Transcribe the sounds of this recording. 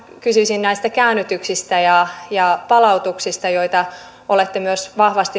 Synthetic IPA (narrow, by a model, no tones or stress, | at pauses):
kysyisinnæist̪ækæːnːyt̪yksist̪æjɑjɑpɑlɑut̪uksist̪ɑjoit̪ɑ | olet̪ːemyøsʋɑhʋɑst̪i